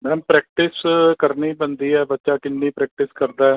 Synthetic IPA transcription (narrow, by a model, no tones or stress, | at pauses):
mɛ̃ːmpɾɛːk̚ʈɪskəɾniːbənd̪iːɛːbətːʃaːkɪnːiːpɾɛːk̚ʈɪskəɾd̪aːɛː